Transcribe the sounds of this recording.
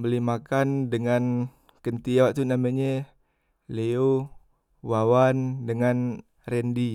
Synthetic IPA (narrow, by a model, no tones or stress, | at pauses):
bəlimakandəŋan | kənt̪iaʔt̪unamaɲə | leo | wawandəŋan | rɛndi